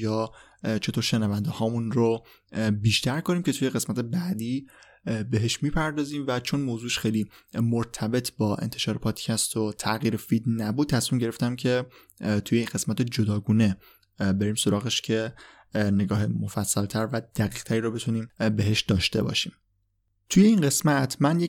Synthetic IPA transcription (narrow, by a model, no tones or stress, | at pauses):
jɒː | t͡ʃʰe̞t̪oɾʃenævænd̪ehɒːmunro | biːʃt̪ʰæɾkoniːmcʲe̞t̪ʰuje̞ɣe̞smæt̪ʰebæd̪iː | beɦeʃmiːpʰæɾd̪ɒːziːmvæt͡ʃʰo̞nmoːzuːʃxejliːmoɾt̪ʰæbe̞t̪ʰbɒːʔe̞̰nt̪ʰeʃɒːɾe̞pʰɒːd̪̥cʰæst̪o̞t̪ʰæɣiːɾefid̪næbud̪̥̚t̪ʰæsmiːmɟe̞ɾe̞ft̪æmcʰe̞ | t̪ʰujeinɡe̞smæt̪ed͡ʒod̪ɒːɡuːne | be̞ɾiːmso̞ɾɒːɣeʃcʰe̞ | ne̞ɡɒːhe̞mofæsːælt̪ʰæɾvæd̪̥æɣiːq̚t̪ʰæɾiːɾobe̞t̪ʰuniːmbe̞ɦeʃd̪ɒːʃt̪e̞̰bɒ̰ːʃḭːm | t̪ʰuje̞inɢe̞smæt̪ʰmænje